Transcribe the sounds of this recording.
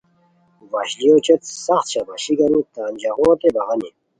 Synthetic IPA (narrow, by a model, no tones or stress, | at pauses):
wɐɕlijoːt͡ɕet̪sɐxt̪ɕabɐɕiɡɐɾũːt̪aːnd͡ʑɐɣõːt̪ebɐʁɐni